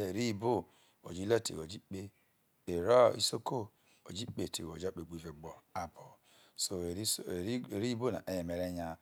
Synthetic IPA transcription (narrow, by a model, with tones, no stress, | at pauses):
e˨ɾi˦˨bo˦ | o̰˨d͡ʒi˦le˦˨tḭ˨o˨d͡ʒi˦k͡pe˦ | e˨ɾɔ˦ḭ˦so˦ko˦ | o̰˨d͡ʒi˦k͡pe˨tḭ˨o˨d͡ʒa˦k͡pe˨ɡ͡bi˨ve˨ɡ͡bɔ˨a˨bo˨ | so˨˦˨ɾi˦bo˦˨na̰˨ʔe˨je˨me˨ɾe˦ɲa˨